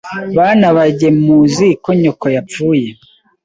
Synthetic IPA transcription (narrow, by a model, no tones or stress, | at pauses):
βanaβaɟe̞muziko̞ɲo̞kojapp͡fuːje